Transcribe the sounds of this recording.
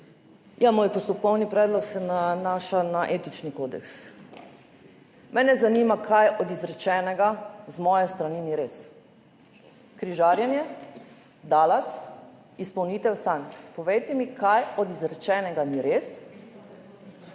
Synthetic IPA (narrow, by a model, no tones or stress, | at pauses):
jamoːjpɔst̪ɔpɔwnipɾɛːd̪lɔksɛnanaːʃanaʔeːt̪it͡ʃnikoːd̪ɛ̰ks | mʔɛːnɛzanimakʰajɔd̪izɾɛt͡ʃɛːnɛɡazmɔjɛst̪ɾaniniɾeːs | kɾiʒaːɾjɛnjɛ | d̪aːlas | ispɐwniːt̪ɛwsanpɔʋejt̪ɛmikʰajɔd̪izɾɛt͡ʃɛːnɛɡaniɾes